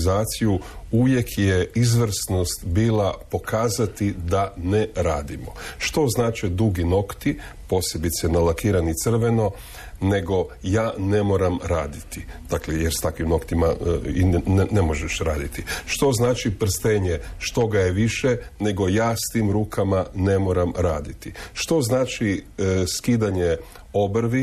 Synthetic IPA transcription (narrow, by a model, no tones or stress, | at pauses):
zaːt̪sijuuʋje̞kʰjeizʋr̩sno̞st̪biːlˠapo̞kʰaːzat̪id̪aneɾaːd̪imo̞ʃt̪o̞znaːt͡ʃed̪uɡino̞kt̪ipo̞ːse̞bit̪sɛnalakiːɾanit̪sr̩ʋe̞no̞ | ne̞ɡo̞jaːne̞mo̞ːɾamɾaːd̪it̪id̪̥aklejeɾst̪akʋimno̞kt̪imainnemo̞ʒeʃɾaːd̪it̪iʃt̪o̞znaːt͡ʃipr̩st̪eɲeʃt̪o̞ɡajeʋiʃene̞ɡo̞jaːst̪iːmɾuːkʰamane̞mo̞ɾamɾaːd̪it̪iʃt̪o̞znaːt͡ʃiskiːd̪aɲe | o̞bɾʋi